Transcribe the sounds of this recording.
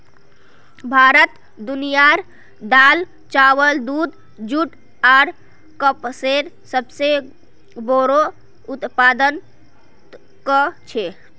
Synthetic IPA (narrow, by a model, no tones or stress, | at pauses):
bʱaɾət̪ | d̪unijaɾ | d̪al | t͡ʃawəld̪ud̪ | d͡ʒuʈ | aɾ | kəpseɾ | səbse | boɾo | ut̪pad̪ən | kət͡ʃʰe